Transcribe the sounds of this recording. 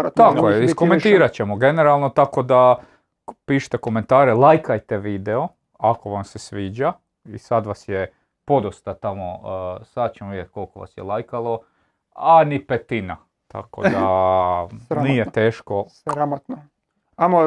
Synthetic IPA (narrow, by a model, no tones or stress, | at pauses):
t̪akojeiskoment̪iːɾat͡ɕe̞moɡe̞neɾalˠnot̪ako̞d̪a | piːʃt̪eko̞ment̪aːɾelˠajkajt̪eʋiːd̪eo | ako̞ʋamsesʋiːd͡ʒa | isad̪ʋasje | po̞d̪ost̪at̪amo̰sad̪̚t͡ɕemoʋid̪ʲjet̪̚ʲko̞lˠkoʋa̰sjḛlajkalˠo̞ | anipet̪ina | t̪a̰ko̰d̪a | nijet̪e̞ːʃko̞ | ɾat̪n | amo